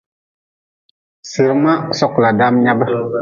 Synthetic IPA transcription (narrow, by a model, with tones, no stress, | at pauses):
sə˨ɾma˦sɔ˨kla˨da˦mɲa˦bə˦